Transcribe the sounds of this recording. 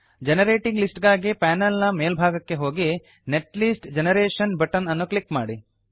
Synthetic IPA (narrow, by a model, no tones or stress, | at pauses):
d͡ʒenɐɾeːʈiŋɡlisʈɡaːɡipɛːnɐlnɐmeːlbʱaːɡɐkːe̞ɦo̞ːɡi | neʈlisʈd͡ʒenɐɾeːʃɐnbɐʈɐnɐnːuklikma̰ːɽi